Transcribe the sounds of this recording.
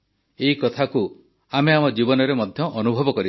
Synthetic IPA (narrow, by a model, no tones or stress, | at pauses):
eɦikɔt̪ʰaku | ameamɔd͡ʒibɔnɔɾemɔd̪ʱjɔʔːnubʱɔbɔkɔɾi